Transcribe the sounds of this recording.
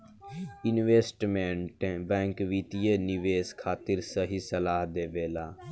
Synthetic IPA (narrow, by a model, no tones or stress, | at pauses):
ɪnʋeːsʈmɛ̃ːɳʈẽːbɛ̃ːŋkʋiːt̪ijeːnɪʋeːskʰaːt̪ɪɾsəɦiːsəlaːɦd̪eːʋeːlaː